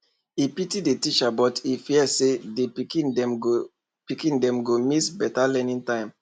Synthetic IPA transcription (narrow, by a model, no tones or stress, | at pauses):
ipitidetit͡ʃabɔtifiɛsedepikĩnɛ | pikĩndɛ̃mɡomisbɛtalɛnĩntãɪ̃m